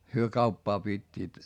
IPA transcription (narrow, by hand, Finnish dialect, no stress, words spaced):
hyø kɑupːɑː pitʲːiːt